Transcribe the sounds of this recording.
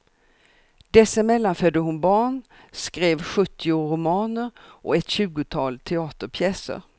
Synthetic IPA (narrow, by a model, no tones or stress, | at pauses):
d̪̥ɛsːamɛlːanfœd̪ːəɦʊnbɑːɳ | skɾeːvɧɵt̪ʰːɪʊɾʊmɑːnəɾʔɔ̰ɛt̪ɕʉ̟ːɡʊt̪ʰɑːlt̪ʰɛɑːt̪əɾpʰjɛːsə̰ɾ